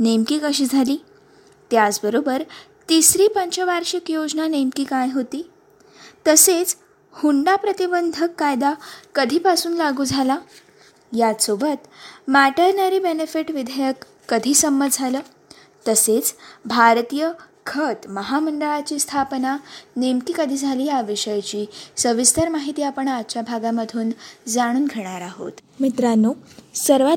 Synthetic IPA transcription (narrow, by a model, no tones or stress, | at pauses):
nemkiːkəɕiːd͡zʱaliː | t̪jat͡sbəɾobəɾt̪isɾiːpəɲt͡ɕəʋaɾʂəkjod͡znanemkiːkajɦot̪iː | t̪əset͡s | huɳɖapɾət̪ibənd̪ʱəkːajd̪akəd̪ʱiːpasuːnlaɡuːd͡zʱala | jasobət̪mæʈəɾnəɾiːbenefiʈʋid̪ʱəjəkː | əd̪ʱiːsəmːəd͡zʱaləː | t̪əset͡sbʱaɾt̪ijəkʰət̪məɦaməɳɖəɭat͡ɕiːst̪ʰapnanemkiːkəd̪ʱiːd͡zʱaliːjaʋiʂəjt͡ɕiːsəʋist̪əɾmaɦit̪iːapəɳat͡ɕjabʱaɡaməd̪ʱuːnd͡zaɽ̃uːnɡʱeɽ̃aɾaɦo̰t̪ | mit̪ɾanosəɾʋa